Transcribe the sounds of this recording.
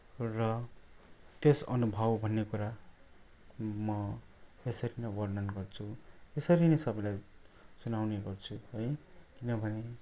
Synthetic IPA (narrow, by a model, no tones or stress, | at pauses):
rʌ | t̪esʌ̰nubʱʌwbʱʌnːekuɾa | mʌ | esʌɾinʌwʌrnʌnɡʌrt͡sʰuesʌɾinʌjsʌbʌjlajt͡sunawneɡʌrt͡sʰuɦʌjkinʌbʱʌne